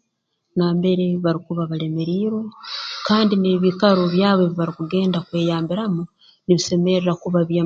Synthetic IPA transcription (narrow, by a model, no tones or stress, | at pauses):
naːmbe̞ɾe̞βaɾikuβaβale̞meɾiːɾo̞kaːndine̞βikaɾoβjaːβeβiβaɾikuɡe̞ːndakwe̞ːjaːmbiɾamu | niβise̞me̞ɾeɾakuβaβja